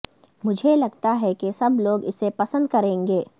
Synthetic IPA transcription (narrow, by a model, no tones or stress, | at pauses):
mʊd͡ʒʱelɐɡt̪aɦɛkesɐbloːɡɪsːepɐsə̃nd̪̚kɐɾẽːŋɡeː